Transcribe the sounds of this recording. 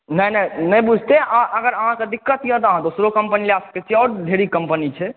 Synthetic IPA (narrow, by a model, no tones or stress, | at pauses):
nəjnənəjbud͡ʒʱt̪eʔaʔəɡəɾəɦãked̪ikːət̪jə̃t̪ɔəɦãd̪osɾokəmpənileasket͡ʃʰɔʈd̪ʱeɽikəmpənit͡ʃʰɛ